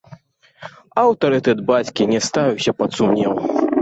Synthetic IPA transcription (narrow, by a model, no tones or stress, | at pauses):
ɐwt̪ɐɾɨt̪ɛd̪̚bat͡sʲkʲinʲɛst̪avʲɛwsʲɐpɐt̪sumnʲɛw